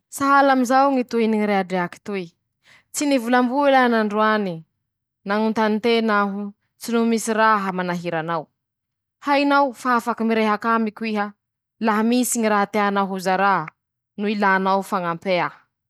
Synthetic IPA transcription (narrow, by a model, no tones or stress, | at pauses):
saɦalamizawŋit̪uiniŋiɾeaɖ͡ʐeaki̥t̪ui | t͡sinivulambuelanaɳɖ͡ʐuani | naŋunt̪anint̪enaɦu | t͡sinumisiɾaɦamanaɦiɾanaw | hainawfaafakimiɾeɦakamikʲuiɦə | laɦamisiŋiɾaɦat̪eanaɦuzaɾa | nuilanawfaŋampea